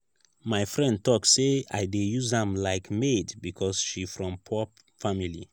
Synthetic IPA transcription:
maɪfɹɛ̃nd̚tɔksea̰ɪdejuzãmlaɪkmedbikʰɔsʃifɹɔ̃mpʰɔp | familḭ

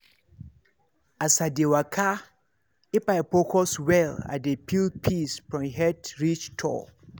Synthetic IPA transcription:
asadewakʰa | ipajpɔkʰɔswɛla̰depʰilpʰispɹɔ̃ɦɛtɹit͡ʃtʰɔ̰

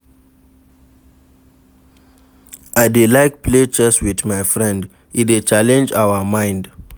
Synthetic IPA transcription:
adelajk̚pʰled͡ʒɛswiθmajfɹɛ̃nd | iwet͡ʃalɛ̃nd͡ʒawəmãj̃nd

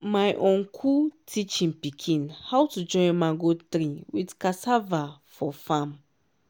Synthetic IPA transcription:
majʔõnkʰutit͡ʃĩnpikʰĩnhawtud͡ʒɔ̃j̃mãŋɡotɾĩwidkasavafɔfãm

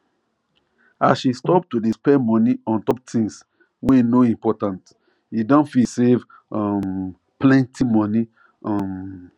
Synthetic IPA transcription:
asʃistɔp̚tudispɛmɔniɔ̃ntɔp̚tʰĩŋs | wenoĩmpɔtãnt | idɔ̃nfisev | ɔm | plɛ̃ntʰimɔni | ɔ̃m

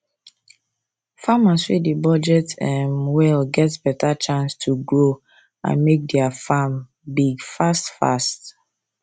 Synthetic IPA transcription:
famaswedibɔd͡ʒɛtɛmwɛlɡɛtsbɛtʰat͡ʃãnstʰuɡɹo | ã̰nmek̚dɛafam | biɡfastfa̰st

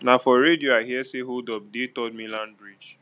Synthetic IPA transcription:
nafɔɾedioaɦiɛseɦoldɔp̚detɔt̚mĩlãnbɹid͡ʒ

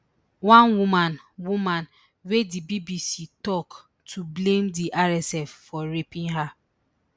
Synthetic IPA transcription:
wãnwumãn | wumãn | wedibibisitɔk | tʰublẽmdiʔaɾɛsɛfːɔɾepɪ̃ŋɦa

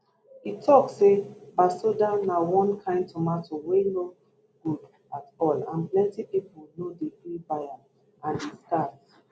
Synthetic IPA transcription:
itʰɔksebasodanawɔ̃nkʰãɪ̃ndtʰɔmatoweno | ɡ̥ud | atɔlã̰nplɛ̃ntipipunodefibaja | ãndestat

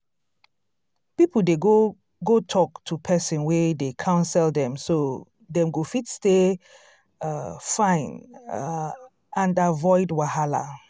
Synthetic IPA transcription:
pipl̩deɡo | ɡotʰɔktʰupʰɛsĩnwedekʰãʊ̃nsɛldɛ̃mso | dɛ̃mɡofitste | fãɪ̃n | ãndavɔɪdwahala̰

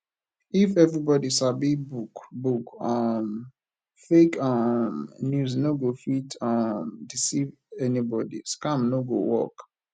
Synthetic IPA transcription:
ifɛvɹibɔdisabibukbukam | fekamnjuznoɡofitʌmdisiv | ɛnibɔdḭskãmnoɡo̰wɔ̰k

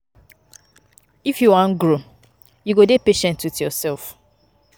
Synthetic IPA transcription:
ifjuwãnɡɹo | juɡodepeʃɛ̃ntitjɔsɛlf

